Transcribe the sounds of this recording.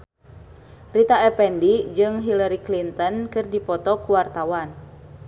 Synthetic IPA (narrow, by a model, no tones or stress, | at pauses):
rit̪aɛpɛndid͡ʒɨŋɦilaɾiklint̪ɔnkɨrdipɔt̪ɔkuwart̪awan